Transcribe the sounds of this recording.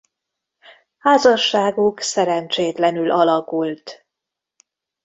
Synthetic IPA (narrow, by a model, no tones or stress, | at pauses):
haːzɒʃːaːɡuksɛɾɛnt͡ʃeːt̪lɛnylʔɒlɒkult̪